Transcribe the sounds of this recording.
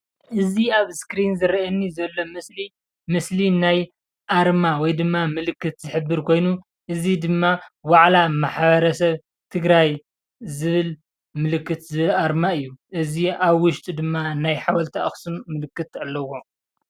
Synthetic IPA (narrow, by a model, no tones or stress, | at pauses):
ʔɨziaβskɾinzɨɾɐɐnːizɐlːo̞mɨsli | mɨslinaj | ʔaɾmawɔjd̪ɨmːamɨlɨkːɨt̪zɨħɨbːɨɾkʰo̞jnu | ʔɨzid̪ɨmːawaʕlamaħβɐɾɐsɐβ | t̪ʰɨɡɾaj | zɨβɨl | mɨlɨkːɨt̪zɨβɨlaɾmaɨjːuʔɨziaβwʊʃt̪ʼid̪ɨmːanajħawɐlt̪ʰaʔɨ̰xsumːɨlɨkːɨt̪alːɐwo̞